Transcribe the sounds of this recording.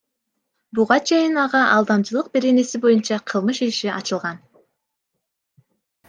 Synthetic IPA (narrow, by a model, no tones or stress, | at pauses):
buʁɑt͡ʃʰe̞jinɑʁɑʔɑlˠd̪ɑmt͡ʃɯlˠɯq̚be̞ɾe̞ne̞sibo̞junt͡ʃɑqʰɯlˠmɯʃiʃiʔɑ̰t͡ʃɯlˠʁɑn